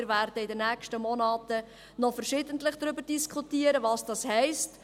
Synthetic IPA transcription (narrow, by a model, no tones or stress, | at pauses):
ɪɾværdəɪdənːæːkʃtəmɔnɑːtə | nɔfəɾʃɪdəntlɪχd̥̪ɾʏbəɾd̥iskʰχutiːəɾəvɑːsd̥ɑshɛɪst